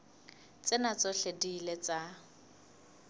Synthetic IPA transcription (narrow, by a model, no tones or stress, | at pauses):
t͡sʼɪnat͡sʼɔɬedilet͡sa